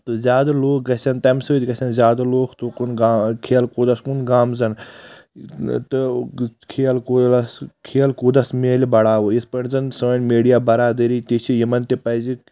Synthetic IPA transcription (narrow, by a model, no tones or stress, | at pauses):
t̪ɨzʲaːd̪ɐloːk̚ɡɐsʲɐnt̪ɐmsɨt̪ʲɡɐsʲɐnzʲaːd̪ɐloːkʰt̪ukunɡakʰeːɐlkud̪ɐskunɡaːmzɐn | t̪ɨkʰejɐlkulɐskʰeɐlkuːd̪ɐsmeːlʲbɐɽaːʋuispɐɳzɐnsoːnmeːɖijaːbɐɾaːd̪ɐɾiːt̪it͡ʃʰijimɐnt̪ipɐzi